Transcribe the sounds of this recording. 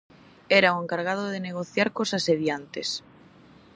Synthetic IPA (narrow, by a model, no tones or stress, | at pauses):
ɛɾaoeŋkaɾɣað̞oðeneɣoθjaɾkosaseðjant̪es